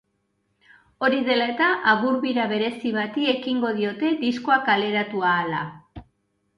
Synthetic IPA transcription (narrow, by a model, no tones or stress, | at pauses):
o̞ɾiðe̞laet̪aʔaɣuɾβiɾaβe̞ɾe̞siβat̪ie̞kiŋɡo̞ð̞io̞t̪e̞d̪iskoakale̞ɾat̪uaːla̰